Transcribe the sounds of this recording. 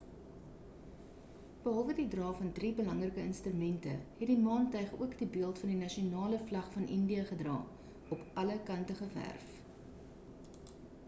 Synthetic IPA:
b̥əɦɐlˠvədidrɑːfɐndriːbəlɐŋrəkəənstrymɛntə̰hɛtdimɑːntɐjχṵəkdibiəlˠtfɐndinɐʃionɑːləflɐχfɐnʔəndiəχədrɑ̰ː | ɔpɐləkɐntəχəvæ̰rf

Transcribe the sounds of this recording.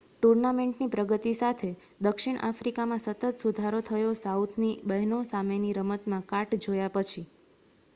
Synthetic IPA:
ʈuɾnameɳʈnipɾəɡət̪isat̪ʰe | d̪əkʃiɳ̃ʔa̰fɾikamãsət̪ət̪sud̪ʱaɾot̪ʰəjosaut̪ʰnibəɦnõsameniɾəmət̪mãkaʈd͡ʒojapət͡ʃʰi

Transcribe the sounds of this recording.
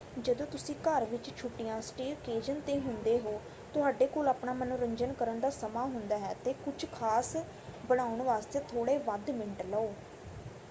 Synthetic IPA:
d͡ʒəd̪õːt̪ʊsĩːkəɾʋɪt͡ʃt͡ʃʰʊʈːɪjãːsʈiːɾkeːd͡ʒənt̪eːɦʊnd̪eːɦoː | t̪ʊɦaːɖeːkoːlaːpɳaːmənũːɾəɲd͡ʒənkəɾənd̪aːsəmaːɦʊnd̪aːɦɛːt̪eːkʊd͡ʒkʰaːs | bəɽ̃aːʊɳʋaːst̪eːt̪ʰoːɽeːʋəd̪mɪɳʈləoː

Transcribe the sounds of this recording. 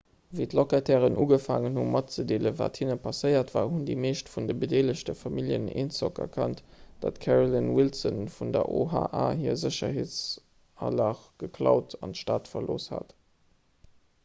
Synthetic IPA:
veːtlokatʰɛːʁənʔuːɡəfaːŋənhumʔɑt̚t͡sədeːləva̰ːthinəpʰɑsəɪɐtvaːhundemeːʃtfundəbədeːləɕtəfɑmiljənḛːnsɔkɐ̰kʰɑntd̥a̰ːtkʰɛʁolinwilsənfundɐ̰ʔoɦa̰ːʔaːhiːɐzəɕɐheːt͡s | ɑlɑχɡ̥əkʰlɑʊtʰɑntʃtaːtfɐloːsha̰t

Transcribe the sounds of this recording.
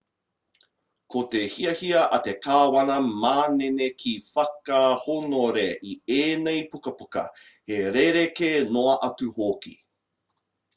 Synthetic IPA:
kotehiɐhiɐʔɐtekaːwɐnɐmaːnenekʰifɐkahonoɾeʔieːnejpukɐpukɐ̰heɾeɾekenoɐʔɐtuhoːkḭ

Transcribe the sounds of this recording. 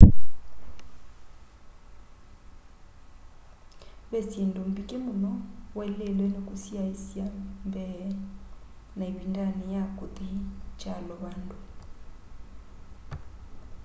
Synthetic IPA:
besindom̩bikʼɪmunɔwɛlelwenekʼusiaisiambɛ | naibindanɛjakʼʊt̪ʼihit͡ʃʼalɔβaːndu

